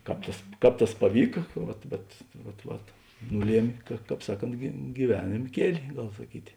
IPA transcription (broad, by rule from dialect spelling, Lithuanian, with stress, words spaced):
ˈkɑːp tɐs ˈkɑːp tɐs pɐˈʋʲiːkɐ ˈʋɐt bʲɛt ˈʋɐt ˈʋɐt ˈnʊˌlʲiɛmʲeː kɐ ˈkɑːp ˈsɑːˌkoːnt ɡʲiːˈʋʲæːnʲeːm ˈkʲiɛlʲɪ ˈɡɐlˠ sɐˈkʲiːtʲɪ